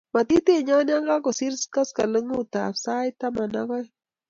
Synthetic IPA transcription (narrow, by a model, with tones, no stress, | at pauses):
ma˨t̪i˦t̪e˦˨ɲɔ˦nja˦ŋɡa˦kɔ˨si˦ɾska˦ska˨lə˦ŋu˦t̪a̰˨fsa˦jt̪a˦ma˨na˦kɔ˦j